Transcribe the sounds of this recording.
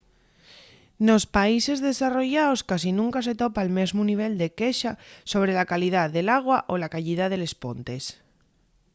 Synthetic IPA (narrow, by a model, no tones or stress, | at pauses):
no̞spaise̞zðe̞saro̞ʝaoskas̬inũŋkas̬e̞t̪o̞paːlme̞zmuniβ̞e̞ld̪e̞keʃaso̞β̞ɾe̞lakalið̞aðe̞laɣ̞waʔolakaʎiðaðe̞le̞spo̞̰nt̪e̞s